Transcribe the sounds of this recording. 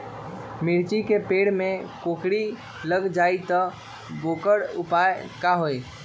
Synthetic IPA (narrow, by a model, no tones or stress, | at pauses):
miɾt͡ʃikepeɽmekokɽi | ləɡd͡ʒait̪ɔ | bokəɽupaekaɦoj